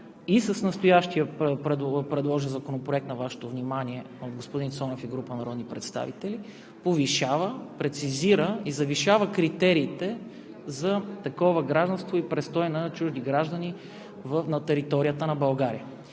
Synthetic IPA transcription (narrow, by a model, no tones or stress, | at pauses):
isəsnɐst̪ojaʃt̪iəpəpɾɛd̪pɾɛd̪lˠɔʒɛnzɐkonopɾoɛkt̪nɐvaʃɛ̥t̪ovnimaniɛ | od̪̚ɡospod̪insɔnofiɡɾupənɐɾɔd̪nipɾɛt̪st̪a̰vit̪ɛli | poviʃavəpɾɛt̪siziɾəizɐviʃavəkɾit̪ɛɾiːt̪ɛ | zɐt̪ɐkɔvəɡɾaʒd̪ɐnst̪voipɾɛst̪ɔjnɐt͡ʃuʒd̪iɡɾaʒd̪əni | vəfnɐt̪ɛɾit̪ɔɾiət̪ənɐbɐlˠɡaɾiə